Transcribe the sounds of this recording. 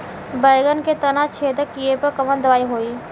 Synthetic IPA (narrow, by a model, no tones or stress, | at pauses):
bɐjɡənket̪ɐnat͡ʃʰeːt̪əkijepɐɾkɐmə̃nd̪ɐʋaːiɦoːiː